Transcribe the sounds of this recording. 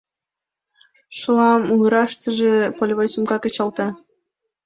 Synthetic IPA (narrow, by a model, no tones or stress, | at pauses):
ʃolɑmuɣɾɑʃt̪ə̆ʒĕpolʲβojsumkɑkĕt͡ɕɑlˠt̪ɑ